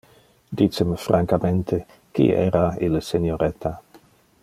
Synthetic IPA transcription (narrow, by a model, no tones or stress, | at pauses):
d̪it͡səmefɾʔaŋkament̪ʰe | kḭɛ̰ːɾailsenjoɾɛt̪ʰa